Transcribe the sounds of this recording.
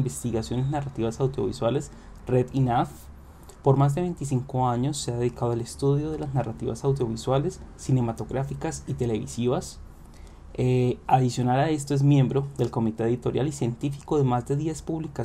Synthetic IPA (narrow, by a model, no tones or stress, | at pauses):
mbest̪iɣasjo̞neznarat̪iβasawd̪jo̞̰βḭswale̞s | reðinaf | po̞ɾmazd̪e̞βe̞jnt̪is̬iŋko̞aɲo̞sːeaðe̞ðikaðoale̞st̪uðjo̞ð̞e̞laznarat̪iβasawd̪jo̞βiswale̞sːine̞mat̪o̞ɣɾafikasit̪e̞le̞βḭsiβas | eaðisjo̞nalae̞st̪oe̞zmje̞mbɾo̞ðe̞lko̞mit̪e̞eðit̪o̞ɾjalisje̞nt̪ifiko̞ðe̞mazd̪e̞ðjespuβlika